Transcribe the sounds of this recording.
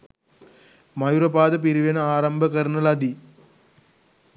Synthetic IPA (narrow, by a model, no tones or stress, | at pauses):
mɐjuɾɐbaːd̪ɐp̬iɾiʋɐnɐaːɾɐmbʱɐkɐɾɳɐlɐd̪i